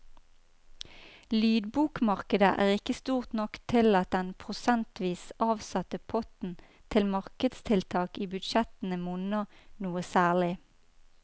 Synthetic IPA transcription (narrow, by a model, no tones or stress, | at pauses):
lyːd̪buːkmɑʁkəd̪əʔæːʁɪkəst̪uːʁt̪nɔkt̪ʰɪlɑt̪̚d̪ɛnpʰʁʊsɛnt̪ʰʋiːsɑːʋsɑt̪əpʰɔt̪n̩ | t̪ʰɪlmɑʁkəd̪st̪ʰɪlt̪ʰɑːkiːbʉd̪ʃɛt̪n̩əmʊnənuːəsæːlɪ